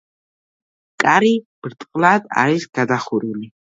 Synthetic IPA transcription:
kʼaːɾib̥ɨrtʼqʼladʼa̰ːɾiʒɡ̥adaχʊɾuni

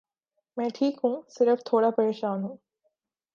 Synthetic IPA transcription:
mẽːʈʰiːkũŋsiɾɐft̪ʰoːɽaːpeːʃaːnũŋ

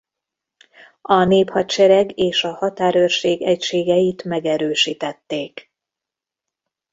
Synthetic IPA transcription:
ɒneːphɒtʃɛɾɛɡeːʃɒhɒt̪aːɾørʃeːɡɛcʃeːɡɛjit̪mɛɡɛɾøːʃiːt̪ɛt̪ːeːk

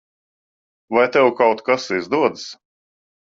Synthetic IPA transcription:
vajt̪ɛwkawt̪kasizd̪uɔd̪s

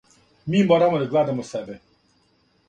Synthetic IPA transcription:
mimɔɾamɔd̪aɡlad̪amɔsɛbɛ

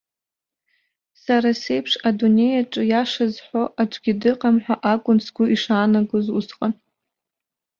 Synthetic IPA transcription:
saɾase̞jpʰʂadune̞jaʈ͡ʂʼɨjaʂazħʷoʔaʈ͡ʂʷʼɡʲɪdɨqʼamħʷᶣaʔakʷʼʊnsɡʷʊʔiʂaːnaɡozṵsqʼan

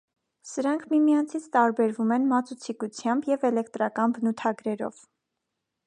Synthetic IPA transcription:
səɾɑŋkʰmimijɑnt͡sʰit͡sʰt̪ɑɾbɛɾvumɛnmɑt͡sut͡sʰikut͡sʰjɑmbjɛvɛlɛk̚t̪ɾɑkɑnbənut̪ʰɑɡɾɛɾɔ̰v̥

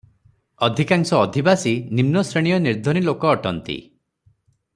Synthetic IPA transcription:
ɔd̪ʱikaŋsɔːd̪ʱibasinimnɔsɾeɽ̃ijɔniɾd̪ʱɔñilokɔːʈɔnt̪ḭ

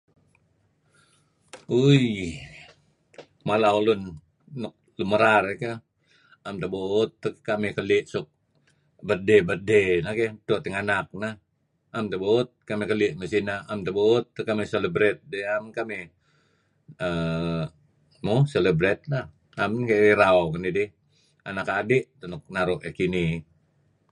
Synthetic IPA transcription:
uj | malaolʊnː | ɔk̚luməɾareka | amt̪əbot̪ːəkamɪkəlɪʔsʊk̚ | bərdɛbərdenaket̪oʔt̪ɛŋanak̚nah | amt̪əbot̪̚kamikəlɪʔməsinaamt̪əbot̪̚ːəkameseləbɾɛt̪̚dɛamkame | ə | moseləbɾɛt̪̚nah | amnkaiɾaokənidi | a̰nakadɪʔt̪ənʊk̚naɾʊʔekini

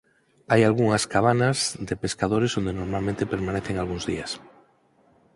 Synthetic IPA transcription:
ajalɣuŋɐskaβ̞anɐzðepeskaðoɾesond̪enoɾmalmẽnt̪epeɾmaneθeŋalɣuŋzðiɐs

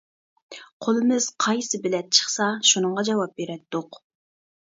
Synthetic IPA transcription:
qʰolˠɨmɪz̥qʰɑjsɨbɪlɛt̪̚t͡ʃʰə̥χsɑʃunəɴʁɑd͡ʒɑwɑp̚beɾɛt̪d̪ːoq

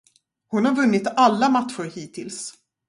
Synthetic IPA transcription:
hʊnhaɾvɵnːɪt̪alːamat̪ɧʊɾhiːt̪ʰɪls

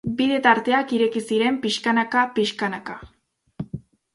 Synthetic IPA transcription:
biðe̞t̪aɾt̪e̞akiɾe̞kisiɾe̞mpiʃkanakapiʃkanaka

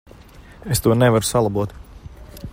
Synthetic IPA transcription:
est̪uɔnevaɾusalˠabuɔt̪

